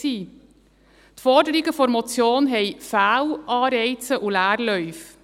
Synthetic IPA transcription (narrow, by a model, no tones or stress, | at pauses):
iː | t̪fɔɾdəɾiɡəfɔɾmɔt͡sjoːnɦɛɪfæːwʔɑːɾɛɪt͡səʔulæːɾlœʏf